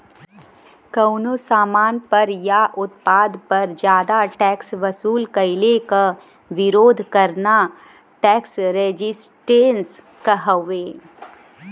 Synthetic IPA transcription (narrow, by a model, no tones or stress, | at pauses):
kɐʊnosaːmaːnpɐɾjaʔʊt̪̚paːd̪pɐɾd͡ʒjaːd̪aʈɛːksʋɐsuːlkɐɪleka | ʋɪɾoːd̪ʱkɐɾna | ʈɛːksɾed͡ʒɪsʈeːns | kɐɦəʋeː